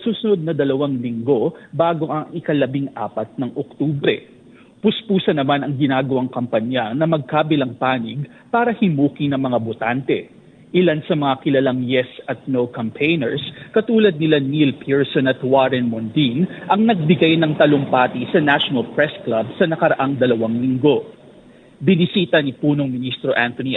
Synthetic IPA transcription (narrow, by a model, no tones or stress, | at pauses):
suːsʊnod̪̚nɐd̪ɐlɐwaŋlɪŋɡo̞baːɡo̞ʔɐŋɪkɐlɐbiŋʔa̰ːpɐt̪̚nɐŋʔok̚t̪uːbɾɛ̰ | pʊspuːsɐnɐmanɐŋɡɪnaːɡɐwaŋkɐmpɐɲjanɐmɐɡ̚kaːbɪlɐŋpaːnɪɡ̚ | paːɾɐhɪmuːkinɐŋmɐŋabʊt̪ant̪ɛ | ʔɪlansɐmɐŋakɪlɐlaŋjɛsɐt̪̚nowkɐmpʰejnɛɹskɐt̪uːlɐd̪̚nɪlanilpʰiɹsonɐt̪waɾɛnmond̪inʔɐŋnɐɡ̚bɪɡajnɐŋt̪ɐloŋpaːt̪isɐnaʃonɐlpɹɛsklabsɐnɐkɐɾɐʔaŋd̪ɐlɐwaŋlɪŋɡo̞ | bɪnɪsiːt̪ɐnipuːnoŋmɪnist̪ɾo̞ʔant̪oni